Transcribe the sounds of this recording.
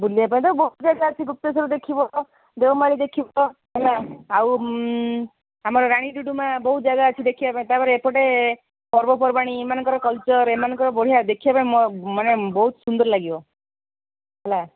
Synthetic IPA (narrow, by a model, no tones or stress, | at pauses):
buliap̬aĩt̪awbɔut̪d͡ʒaɡaət͡ʃʰiɡup̚t̪esɔɾud̪ekʰibɔ | d̪ewmaɭid̪ekʰibɔɦɛlaaw | amɔɾɔɾaɽ̃iɖuɖumãbɔɦut̪̚d͡ʒaɡaət͡ʃʰid̪ekʰibapaĩt̪apɔɾeːpɔʈe | pɔɾbɔpɔɾbaɽ̃iemanɔ̃ŋkɔɾɔkɔlt͡ʃɔɾemanɔŋkɔɾɔbɔɽ̤ijad̪ekʰibapaĩmɔmɔnebɔɦut̪sund̪ɔɾlaɡibɔ | ɦɛla